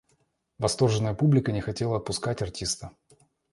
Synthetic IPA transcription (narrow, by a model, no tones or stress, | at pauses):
vɐst̪o̞rʐɨnːəjəpublʲɪkənʲɪxɐtʲelˠəɐt̪̚pʊskatʲɐrtʲist̪ə